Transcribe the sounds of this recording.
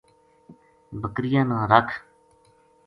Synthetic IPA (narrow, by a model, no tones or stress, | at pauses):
bəkɾɪjãːnãːɾəkʰ